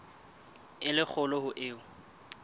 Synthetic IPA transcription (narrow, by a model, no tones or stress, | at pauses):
ɪlɪk͡xʰʊlɔhʊʔɪːʊ